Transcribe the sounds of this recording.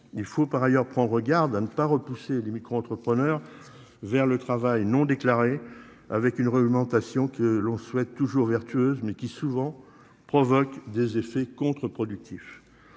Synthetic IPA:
ilfopaʁajœʁpχɑ̃d̪ʁəɡaʁd̪anəpaʁəpuselemikχoɑ̃t̪χəpχənœʁ | vɛʁlət̪χavajnɔ̃d̪eklaʁe | avɛkynʁɛɡmɑ̃t̪asjɔ̃kəlɔ̃swɛt̪ːuʒuʁvɛʁt̪yøzmɛkʲisuvɑ̃ | pχɔvɔkd̪ezefɛkɔ̃t̪χəpχɔd̪yk̚t̪ʰif

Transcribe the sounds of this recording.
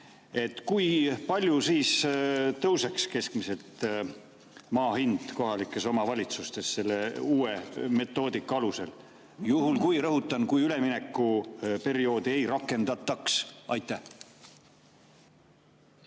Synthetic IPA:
e̞t̪ːˑkujpɑlʲjusiːst̪ɤwse̞kske̞skmise̞t̪ | mɑːɦind̪̥ko̞ɦɑlikːˑe̞so̞mɑvɑlʲit̪sust̪e̞sːe̞lːe̞uːe̞me̞t̪ːˑo̞ːd̪̥ikːˑɑɑluse̞l | juɦulkujrɤɦut̪ːˑɑnkujyle̞mine̞kːˑupe̞ɾio̞ːd̪̥ie̞jɾɑkːˑe̞nd̪̥ɑt̪ːˑɑksʔɑjt̪ːˑæh

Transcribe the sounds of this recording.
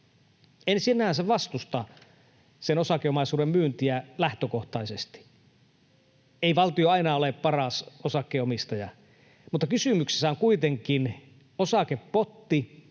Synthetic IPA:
ensinːæhænseʋɑst̪ust̪ɑ | senosɑˑkːˑeomɑˑisuːdemmyːnt̪iælæht̪økoht̪ɑisest̪i̥ | eiʋɑlt̪ioɑinɑoleˑppɑrɑˑsosɑkːˑeomist̪ɑjɑ̰ | mut̪ːɑkysymykse̥sːæoŋkuit̪eŋkin | osɑkeppot̪ːi

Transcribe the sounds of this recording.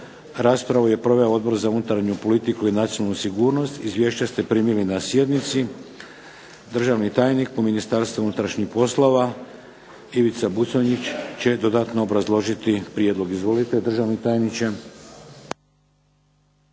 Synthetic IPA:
ɾaːspɾaʋuje̞pɾo̞ʋe̞ood̪̚bo̞ɾzaunut̪aɾɲupo̞lit̪ikuinat̪ionalnusiɡuːɾno̞st̪izʋje̞ːʃt͡ɕast̪e̞pɾiːmilinasje̞d̪nit̪si | d̪r̩ʒaʋnit̪aːjnik̚pominist̪aɾst̪ʋuunut̪ɾaʃɲixpo̞slo̞ʋa | iʋit̪sabut̪soɲit͡ɕt͡ɕe̞d̪o̞d̪at̪noobɾazlˠo̞ʒit̪ipɾije̞d̪lˠo̞ɡizʋo̞lit̪e̞d̪r̩ʒaʋnit̪aːjnit͡ɕe

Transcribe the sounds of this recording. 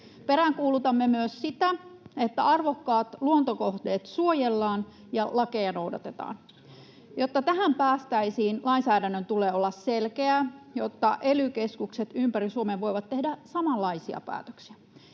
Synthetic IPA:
peɾæŋkuːlut̪ɑmːemyøssit̪æet̪ːæ̰ɑrʋokːɑːt̪luont̪okoht̪eːt̪suojelːɑːn | jɑlɑkejɑno̞wdɑ̰t̪et̪ɑ̰ːn | jot̪ːɑt̪æɦæmpæːst̪æisiːnlɑinsæːdænːønt̪uleːolːɑsselkeæjot̪ːɑʔelykeskukset̪ympærisuomeʋʋo̞iʋɑt̪ːehdæsɑmɑlːɑisiɑ̰pæ̰ːt̪ø̥ksiæ

